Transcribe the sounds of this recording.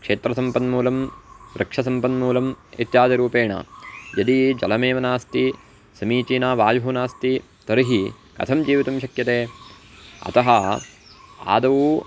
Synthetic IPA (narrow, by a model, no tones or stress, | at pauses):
kʂeːt̪ɾɐsɐmpɐnmuːlɐmɾɐkʂɐsɐmpɐnmuːlɐmḛt̪jaːd̪ɐɾuːpeːɳɐ̰jɐd̪id͡ʒɐlɐmeːʋɐnaːst̪i | sɐmiːt͡ʃiːnaːʋaːjɦuːnaːst̪i | t̪ɐɾiɦi | kɐ̰t̪ʰɐmd͡ʒiːʋit̪ɐmʃɐkjɐt̪eː | ɐ̰t̪ɐɦɐ | a̰ːd̪ɐʋu